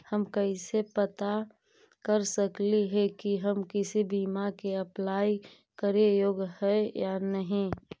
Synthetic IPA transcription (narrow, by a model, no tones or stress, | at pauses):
həmkəisepət̪a | kəɾsəkliɦɛkiɦəmkɪsibiːmakeəplaːi | kəɾejoːɡhɛjanəɦĩ